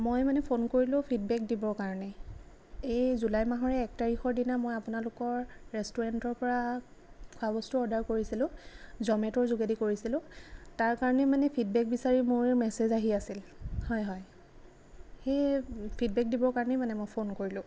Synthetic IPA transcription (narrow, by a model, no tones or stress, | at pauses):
mojmanɛpʰonkoɹilʊ̃pʰidbɛk̚dibɔɹkaɹɔnɛ | ejzulajmaɦɔɹɛːk̚taɹixɔɹdinamojapʊnalʊkɔɹːɛstɔɹantɔɹpɔɹa | kʰwabɔstuɔdaɹkoɹisilʊ̃zɔmɛtɔɹzuɡedikoɹisilʊ̃taɹkaɹɔnɛmanɛpʰid̚bɛk̚bisaɹimʊɹmɛsezaɦiasilhɔjɦɔj | xejpʰid̚bɛk̚dibɔɹkaɹɔnɛmanɛmojpʰonkoɹilʊ̃